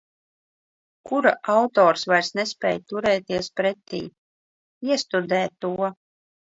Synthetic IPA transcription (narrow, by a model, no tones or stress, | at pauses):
kuɾaʔawt̪ɔːɾsvaɾsnɛsʲpʲɛ̰ːjt̪uɾɛːt̪iɛspɾɛt̪ːḭː | iɛst̪ud̪ɛːt̪ːuɔ